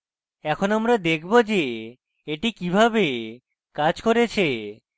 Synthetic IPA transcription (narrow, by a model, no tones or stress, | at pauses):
ɛkʰonamɾad̪ekʰbod͡ʑe | eʈikibʱabe | kad͡ʑkoɾet͡ɕʰe